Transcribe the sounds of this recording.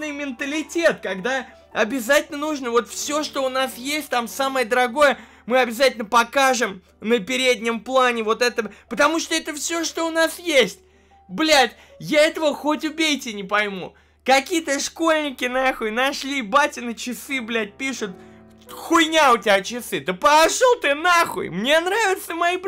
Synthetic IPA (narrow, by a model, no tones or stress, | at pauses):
nɨjmʲɪnt̪əlʲɪtʲe̞t̪kɐɡd̪a | ɐbʲɪzatʲɪlʲnənuʐnəvo̞t̪fsʲoʂt̪o̞ʊnasjesʲt̚ʲt̪amsaməjəd̪əɾɐɡo̞jə | mɨɐbʲɪzatʲɪlʲnəpɐkaʐɨm | nəpʲɪɾʲedʲnʲɪmplˠanʲɪvo̞t̪ɛt̪əpət̪ɐmuʂt̪oɛt̪əfsʲoʂt̪o̞ʊnasjesʲtʲ | blʲætʲ | jaɛt̪əvəxo̞tʲʊbʲejtʲɪnʲɪpɐjmṵ | kɐkʲijət̪əʂko̞lʲnʲɪkʲɪnaxʊjnɐʂlʲibatʲɪnət͡ɕɪsɨblʲæt̚ʲpʲiʂʊt̪̚ | xʊjnʲaʊtʲɪat͡ɕɪsɨd̪əpɐʂulˠt̪ɨnaxʊ̰jmnʲe̞nɾavʲɪt̪səmɐib